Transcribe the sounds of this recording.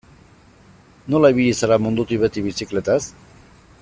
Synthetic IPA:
no̞laiβiʎisaɾamund̪ut̪iβet̪iβisikle̞t̪as

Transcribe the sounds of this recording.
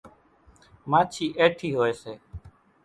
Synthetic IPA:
maːt͡ʃʰiːʔeːʈʰiːɦoːeːseː

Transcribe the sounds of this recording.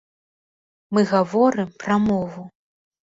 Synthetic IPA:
mɨɣavɔɾɨmpɾɐmɔvu

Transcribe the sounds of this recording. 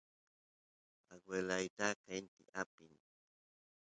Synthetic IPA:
a̰ɡwelajt̪akant̪ḭʔapin

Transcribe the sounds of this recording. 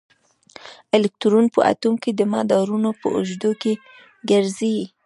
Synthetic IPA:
ɪlɪk̚t̪uɾunpə̰ʔa̰t̪umked̪əmɑ̰d̪ɑɾunopə̰ʊ̰ʒd̪oke | ɡaɾzi

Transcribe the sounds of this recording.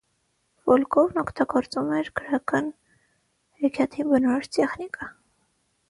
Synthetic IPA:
vɔlkʰɔvnɔkʰt̪ɑɡɔɾt͡sumɛɾkəɾɑkɑn | hɛɾkʰjɑt̪ʰimbənɔɾɔɾt̪ɛχnikʼɑ

